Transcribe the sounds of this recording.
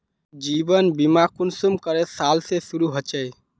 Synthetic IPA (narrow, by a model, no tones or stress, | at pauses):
d͡ʒibənbimakunsumkəɾesalsesuɾuɦət͡ʃɛj